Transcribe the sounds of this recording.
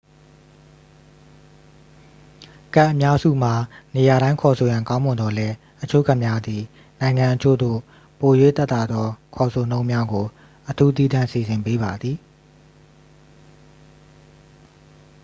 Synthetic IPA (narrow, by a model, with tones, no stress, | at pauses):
ka˦ʔːə˨mja˦zṵ˦˨m̥a˨ne˨ja˨ɾã˦ɪ̃ŋkʰɔ˨sʰo˨jã˨ŋkã˦ʊ̃mʊ̃˨nd̪ɔ˨lɛ˦ | ʔət͡ɕʰo̰˦˨ɡa˦ʔmja˦d̪ði˨ | nã˨ɪ̃ŋã˨ʔət͡ɕʰo̰˦˨d̪o̰˦˨ | po˨jwḛ˦˨t̪ɛ˦t̪a˨d̪ðɔ˦kʰɔ˨sʰo˨nõ˦ʊ̃mja˦ɡo˨ | ʔətʰu˦t̪̬i˦d̪ã˦˨si˨zɪ̃˨mpe˦ba˨d̪ði˨